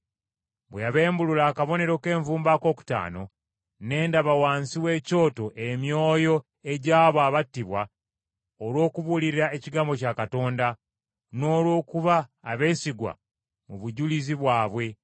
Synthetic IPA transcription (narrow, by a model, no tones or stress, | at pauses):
bwejaβe̞ːmbululaːkaβo̞ne̞ɾo̞ke̞ːɱvuːmbako̞ːku̥ta̰ːno̞̰ | ne̞ːndaβawaːnsiwe̞ːco̞ːto̞ʔemjo̞ːjo̞ | e̞ɟaːβwaːβatːiβwa | olwo̞ːkuβuliɾiɾae̞ciɡaːmbo̞cakato̞ːnda | no̞ːlwo̞ːkuβaːβe̞ːsiɡwa̰ | muβuɟuliziβwaːβwe̞